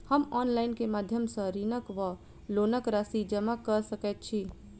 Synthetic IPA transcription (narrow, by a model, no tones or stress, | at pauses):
həmɔːnlaːɪnkemaːd̪ʱjəmsə̃ɾiːnəkʋə | loːnəkɾaːsid͡ʒəmakəɾsəkɛt̪̚t͡ʃʰiː